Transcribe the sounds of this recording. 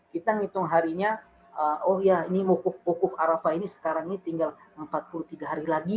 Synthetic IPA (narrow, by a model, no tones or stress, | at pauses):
kit̪aŋit̪ʊŋɦaɾiɲa | əɔhjainimukʊfmukʊfaɾafainisə̥kaɾaŋinit̪iŋɡal | əmpat̪̚pulut̪iɡaɦaɾilaɡi